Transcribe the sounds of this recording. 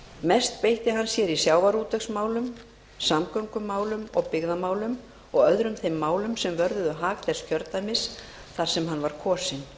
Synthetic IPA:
mɛst̪pejht̪ɪɦanːsjɛɾisjaːwvaɾuːt̪ɛksmaːwlʏm | samkœŋkʏmːaːwlʏmɔɣpɪɣðamaːwlʏm | ɔɣœðɾʏmθejmːaːwlʏmsɛmvœɾðʏðʏɦaːklɛscʰœɾt̪ajmɪs | θaɾ̥sɛmɦanːvaɾ̥kʰɔːsɪn

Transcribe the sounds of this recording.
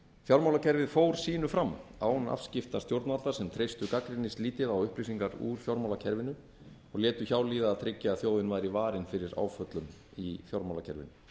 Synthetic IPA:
θjowɾmawlacʰɛɾvɪðfoːwɾ̥siːnʏfɾamːawna̰fscɪft̪ast̪jowɾt̪nalt̪aɾsɛmt̪ʰɾejst̪ʏkakɾɪnɪsliːt̪ɪðawʏhpɾisiŋkaɾṵɾ̥θjowɾmawlacʰɛɾvɪnʏ | ɔɣljɛːt̪ʏçaːwliːðaːt̪ʰɾɪcːaaθjoːwðɪnvaːjɾivaːɾɪnfɪɾɪɾa̰ːwfœt̪lʏmiθjowɾmawlacʰɛɾvɪ̰nʏ

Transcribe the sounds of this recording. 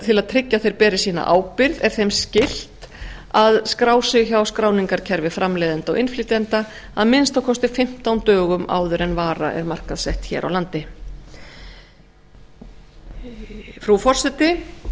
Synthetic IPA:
t̪ʰɪlaðt̪ʰɾɪcːaθejɾ̥pɛːɾɪ̥siːna̰ʔa̰ːwpɪɾðɛɾ̥θejmscɪl̥t̪aðskɾaːwsɪçawskɾaːwniŋkaɾ̥cʰɛɾvɪfɾʔamlɛːðɪnt̪ɔ̰wʔɪnfliːt̪ɛnt̪a | aðmɪnst̪awkʰɔst̪ɪfɪm̥t̪awnt̪œːɣʏma̰ːwðʏɾɛnvaːɾa̰ʔɛ̰ɾmar̥kaðsɛht̪çɛ̰ːɾʔa̰wlant̪ɪ | fɾufɔr̥sɛt̪ɪ

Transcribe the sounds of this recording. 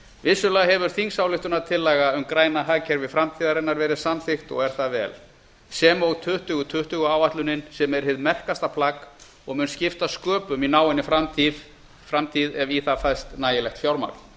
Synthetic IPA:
vɪsːʏlaːɦɛvʏɾ̥θiŋsawlɪht̪ʏnat̪ʰɪlːaɣaʏmkɾaːjnaɦaːcʰɛɾvɪfɾamt̪ʰiːðaɾɛnːaɾvɛːɾɪðsamθɪxt̪ɔ̰ɣɛɾ̥θavɛ̰ːl | sɛmɔɣt̪ʰʏht̪ʏɣʏt̪ʰʏht̪ʏɣʏaːwaht̪lʏnːɪnsɛmɛɾ̥hɪðmɛr̥kast̪apʰlak | ɔɣmʏnscɪft̪askœːpʏminaːwɪnːɪfɾamt̪ʰið | fɾamt̪ʰiðɛviθafajst̪naːjɪlɛxt̪fjawɾma̰kl̥

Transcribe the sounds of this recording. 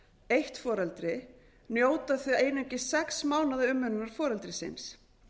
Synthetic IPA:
ejht̪fɔːɾɛlt̪ɾɪ | njoːwt̪aθiejnʏɲcɪsɛksmaːwnaðɪʏmːʏnʏnaɾ̥fɔːɾɛlt̪ɾɪsɪ̰ns

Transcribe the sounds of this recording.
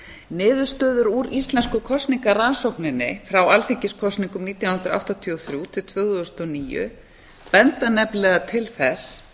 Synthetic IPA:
nɪːðʏɾ̥st̪œːðʏɾuːɾist̪lɛnskʏkʰɔst̪niŋkaransowknɪnːɪfɾawalθiŋcɪskʰɔst̪niŋkʏmniːt̪janhʏnt̪ɾa̰wht̪at̪ʰiɔθɾjuːt̪ʰɪlt̪ʰvʏːɣʏʏst̪ɔniːjʏ̰ | pɛnt̪anɛplɛːɣat̪ʰɪlθɛs

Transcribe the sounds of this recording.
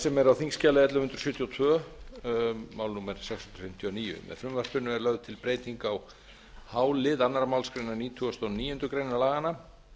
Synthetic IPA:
sɛmɛɾawθiŋscaːlaɛt̪lʏmhʏnt̪ɾ̥sʏːt̪ʰjɔt̪ʰvœː | mawlnuːmɛɾ̥sɛksʏnt̪ɾ̥fɪm̥t̪ʰjiɔniːjʏ̰mɛ̰ðfɾʏmvaspʏnːʏɛɾlœɣðʏt̪ʰɪlpɾeːjt̪iŋkaw | haːwlɪðanːaɾamawlskɾejnaniːt̪ʰuɔst̪onniːjʏnt̪ʏkɾeːjnalaːɣana

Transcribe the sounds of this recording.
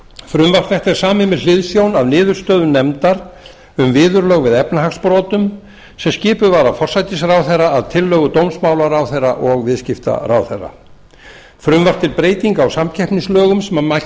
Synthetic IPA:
fɾʏmvar̥t̪vɛht̪ɛɾ̥saːmɪnmɪðlɪðsjownavnɪːðʏɾ̥st̪œːðʏnɛmt̪aɾ | ʏmvɪːðʏɾlœːɣvɪðɛpnaɦaxspɾɔːt̪ʏm | sɛmscɪːpʏvaːɾafɔr̥sajt̪ɪsrawθerːaːðt̪ʰɪlːœːɣʏt̪owmsmaːwlaɾawθerːaʔɔɣvɪðscɪft̪a̰raːwθɛra̰ | fɾʏmvar̥t̪ʰːɪlpɾeːjt̪iŋkawsamcʰɛhpniŋslœːɣʏmsɛmama

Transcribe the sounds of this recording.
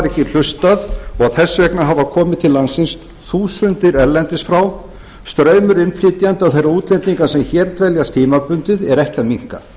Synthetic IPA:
ɾɛhcɪl̥ʏst̪aðɔɣaðθɛsːvɛknaɦavakʰɔːmɪðt̪ʰɪlːansɪns | θuːsʏnt̪ɪɾɛɾlɛnt̪ɪsfɾaw | st̪ɾœːɥmʏɾɪnflɪt̪jant̪ɪawθejrːauːt̪lɛnt̪niŋkasɛmçɛːɾt̪vɛljast̪ʰiːmapʏnt̪ɪðɛɾɛhcaðmiŋ̥ka̰

